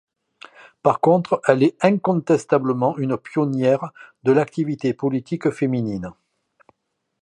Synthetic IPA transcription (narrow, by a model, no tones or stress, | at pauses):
paʁkɔ̃t̪χɛlɛɛ̃kɔ̃t̪ɛst̪abləmɑ̃ynəpjɔnjɛʁd̪əlak̚t̪ivit̪epɔlit̪ikfeminin